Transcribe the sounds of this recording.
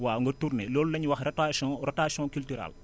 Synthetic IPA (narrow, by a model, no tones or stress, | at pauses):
waːŋɡɔturnɛlɔːlulɐɲwɐxrɛtasɔ̃rɔtaːsjɔ̃ːkyltyɾa̰l